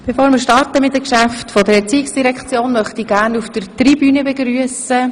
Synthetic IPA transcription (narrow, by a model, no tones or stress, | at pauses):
b̥ɛfoːɾmɪɾʃtɑrtəmɪt̚ːəkʃæftfɔdəɾɛɾt͡siːɪksd̥iɾɛkχt͡sjoːnmœχt̪iɡæːɾnuftəɾt̪ribynəbɛɡɾyəsə